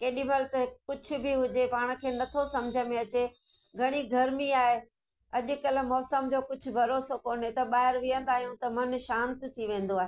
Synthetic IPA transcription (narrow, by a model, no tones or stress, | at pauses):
keːɗiməlt̪ɐkʊd͡ʑʱʰʊ̆bʱɪɦʊd͡ʑepaːɽ̃̆kʰeːnɐt̪ʰosɐmd͡ʑʱəmẽɐt͡ɕe | ɡʱɐɽ̃iɡʱɐɾmiaːɦe | ɐʄʊ̆kɐlmɔːsəmd͡ʑoːkʊd͡ʑʱʊ̆bʱɐɾoːsokoːnet̪ɐɓaːɦɪɾʋiə̃nd̪aːɦijũt̪ɐmɐnʃãːnt̪ɪt̪ʰiʋẽːn̆d̪oaːɦeː